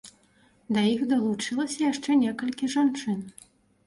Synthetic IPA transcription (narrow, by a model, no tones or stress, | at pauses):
d̪ɐjixd̪ɐlˠut͡ʂɨlˠɐsʲɐjaʂt͡ʂɛnʲɛkɐlʲkʲiʐant͡ʂɨn